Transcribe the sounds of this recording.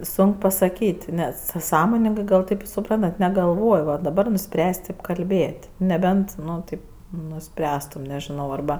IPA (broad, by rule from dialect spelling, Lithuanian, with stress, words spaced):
ˈsoːŋk pɐsɐˈkʲiːtʲ nʲɛs sɐ ˈsɑːmoːnʲɪŋɡɜ ɡɐlˠ ˈtɐɪp sʊˈprɐntɐt nʲɛɡɐlˠˈʋoːj ʋɐ dɐˈbɐr nʊˈsʲpʲrʲæːsʲ ˈtʲɪp kɐlʲˈbʲeːtʲ nʲɛˈbʲɛnt ˈnʊ ˈtɐɪp nʊˈsʲpʲrʲæːstʊm nʲɛʒʲɪˈnɐʊ ɐrˈbɐ